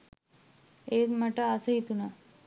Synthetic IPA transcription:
emaʈaːsəit̪una

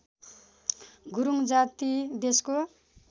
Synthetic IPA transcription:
ɡuɾuŋd͡zat̪ibesko

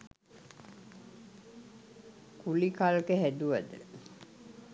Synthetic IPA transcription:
kulikalkeɦæd̪uʋəd̪ə

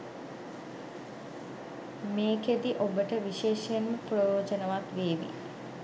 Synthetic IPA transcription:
meːked̪iʔobəʈəʋiʃeːʃjnməprojoːd͡ʑənɐʋat̪ʋeːʋḭ

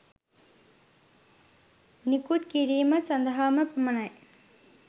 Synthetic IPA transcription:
nikut̪kiɾiːməsɐnd̪ɐɦaməpɐmɐnɐj

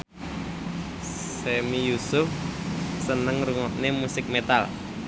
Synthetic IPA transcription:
semijusʊfsənəŋruŋɔʔnemusɪk̚met̪a̰l

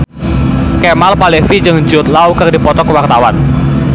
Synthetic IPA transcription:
kɛmalpalefid͡ʒɨŋd͡ʒʊt̪̚lawkərdipɔt̪ɔkəwart̪awan

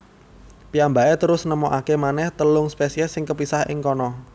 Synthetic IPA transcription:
piambaet̪əɾʊsnəmoʔakemanɛht̪əlʊŋspesiɛsɪŋkəpisahɪ̰ŋkɔnɔ

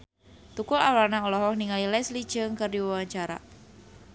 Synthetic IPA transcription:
t̪ukʊlawarnaɔlɔɦɔhniŋalilɛslid̥ʒ̥əŋkərdiwawaɲt͡ʃaɾa̰

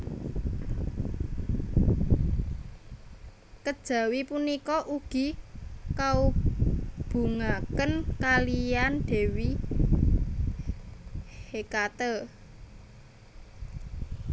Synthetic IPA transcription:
kəd̥ʒ̥ä̤wipunikɔʔuɡ̥i̤kau | b̥ṳŋakənkalijanɖ̪̥e̤wi | hekat̪ə

